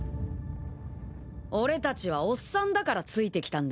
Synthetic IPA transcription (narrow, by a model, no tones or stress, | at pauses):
o̞ɾe̞t̪at͡ɕiβ̞ao̞sːãnd̪akaɾat͡sɨit̪e̞kʲi̥t̪ãnd̪